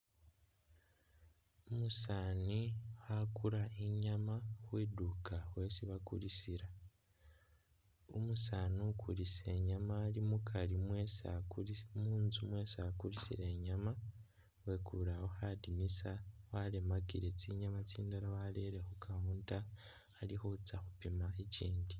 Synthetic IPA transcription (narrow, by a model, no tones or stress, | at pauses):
umusaːnihakuɾaeɲamahwedukawesiβakulisiɾa | umusaːnukʰulise̞ɲamaːlimukʰalimwesa̰kuimuːnzumwesakulisiɾeɲama | wekuɾawoxadinisawalemakiɾe̞t͡siɲamat͡siːndaɾawaleɾe̞xukauːntaː | lixot͡saxupimaeciːndi